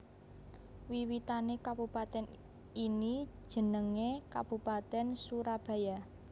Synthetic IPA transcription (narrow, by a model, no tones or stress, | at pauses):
wiwit̪anekab̥upat̪ɛn | ini̥ʒ̥ə̤nəŋekab̥upat̪ɛnsuɾab̥a̤ja